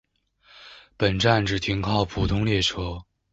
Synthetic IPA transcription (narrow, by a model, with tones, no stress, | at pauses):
pə˨˩nʈ͡ʂa˥˩nʈ͡ʂɻ̩˨˩t̪ʰi˧˥ŋkʰɑ˥˩ʊpʰu˨˩t̪ʰʊ˥ŋljɛ˥˩ʈ͡ʂʰɤ˥